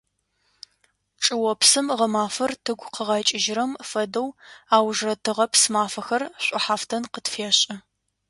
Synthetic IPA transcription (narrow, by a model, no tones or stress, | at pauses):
ʈ͡ʂʼɨwɔpsɨmʁɐmaːfɐrtʰɨɡʷqəʁɑt͡ʃʼɪʒɾɐmfɐdɐwaːwʒrɐtʰɨʁɐpsmaːfɐxɐrɕʷʼʊħaːftʰɐnqətfeːɕʼɐ